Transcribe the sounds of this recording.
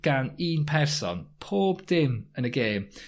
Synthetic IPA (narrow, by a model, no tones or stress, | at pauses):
ɡ̥aniːnpʰɛrsɔ̰npʰoːbd̥ɪmənəɡeːm